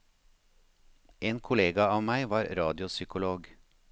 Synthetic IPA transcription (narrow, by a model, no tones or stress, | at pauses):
ʔeːnkʰʊleːɡɑɑːʋmæɪʋɑːɾɾɑːd̪ɪʊsʏkʊloːɡ